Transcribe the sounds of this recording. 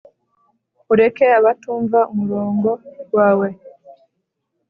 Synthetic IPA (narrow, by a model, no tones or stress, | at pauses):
uɾe̞ke̞aβatuːɱvaumuɾoːŋɡo̞ɡwaːwe̞